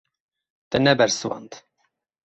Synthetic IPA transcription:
t̪ɛnɛbɛɾswɑ̰nd̪

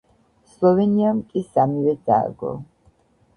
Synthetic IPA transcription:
slɔvɛniamkʼisamivɛd̪a̰ɾɡɔ̰

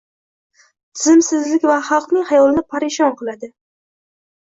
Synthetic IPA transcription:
t̪ʰɪzɪmsɪzlɪkʲvaχɑlˠqnɪŋʲhajɒlɪnɪpʰaɾɪʃɒnqɨlˠad̪ɪ

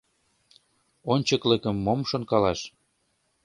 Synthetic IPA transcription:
onʲt͡ɕɤ̆klĕkə̆mːomʃonkɑlɑʃ

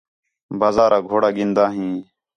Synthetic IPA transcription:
baːzaːɾaːɡʱoːɽaːɡɪnd̪aːɦĩː

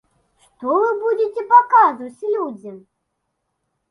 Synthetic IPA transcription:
ʂt̪ɔvɨbud͡zʲet͡sʲɛpakazut͡sʲlʲud͡zʲi

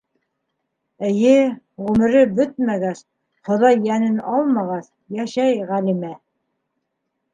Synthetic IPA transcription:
ɘ̆jɘ | ʁʉmɘ̆ɾɘbɵt̪̚mæɡæs | χŏðɑjːænɘnɑlˠmɑʁɑs | jæʃæjʁælimæ

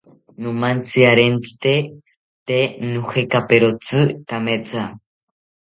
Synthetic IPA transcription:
numant͡sɨaɾent͡sɨ̥t̪e | t̪enuxekapeɾot͡sɨkamet͡sa

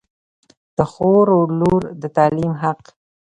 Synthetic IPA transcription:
d̪̥əxoɾoluɾd̪ət̪ɑlimɦaq

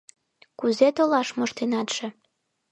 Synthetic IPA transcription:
kuzet̪olɑʃmoʃt̪enɑt̪ʃĕ

